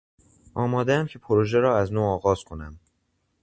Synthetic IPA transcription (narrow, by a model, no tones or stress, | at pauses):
ʔɒːmɒːd̪eæmcʰe̞pʰoɾoʒeɾɒːæznoːɒːɣɒːz̥kʰo̞næm